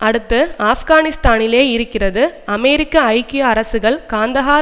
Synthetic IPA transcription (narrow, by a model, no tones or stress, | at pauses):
ʔɐɽɯt̪ːɯaːfɣaːnɪst̪aːnɪleːɪɾɯkːɪrɐðɯɐmɛːɾɪkːɐɐɪkːɪjɐːɾɐsɯɣɐɭkaːnd̪ɐɣaː